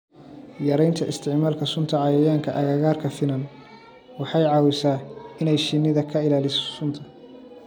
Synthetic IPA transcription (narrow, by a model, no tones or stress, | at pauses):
jɐɾɛjnt̪ʰɐʔɪ̰st̪ʰɪʕmaːlkʰɐsʊnt̪ʰɐʕɑjɐjaːŋkʰɐʔɐɣɐɣaːrkʰɐfɪnɐn | wɑħɑjʕɑːwɪsaːɪnɛjʃɪnːɪðɐkʰɐɪlaːlɪssʊnt̪ʰɐ